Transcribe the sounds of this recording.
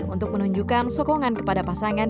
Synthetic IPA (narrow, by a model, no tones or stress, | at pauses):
unt̪ʊk̚mənuɲd͡ʒukansɔkɔŋankə̥padapasaŋan